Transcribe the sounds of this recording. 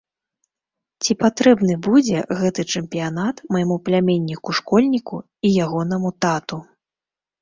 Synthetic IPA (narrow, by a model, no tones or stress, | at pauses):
t͡sʲipat̪ɾɛbnɨbud͡zʲɛɣɛt̪ɨt͡ʂɨmpʲijanat̪mɐjmuplʲamʲenʲːikuʂkɔlʲnʲiku | ijaɣɔn̪ɐmut̪at̪u